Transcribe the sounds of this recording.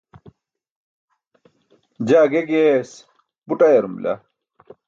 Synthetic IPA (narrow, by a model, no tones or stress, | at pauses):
d͡ʑaːɡeɡes | puʈajeɾumla̰